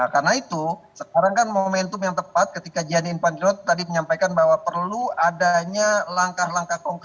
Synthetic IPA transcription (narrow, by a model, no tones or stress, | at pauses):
akarnait̪usəkaɾaŋkanmomɛnt̪ʊmjaŋt̪əpat̪̚kət̪ikad͡ʒianinpankiɔt̪t̪adiməɲampajkanbaɦwapərluadaɲalaŋkahlaŋkahkɔŋk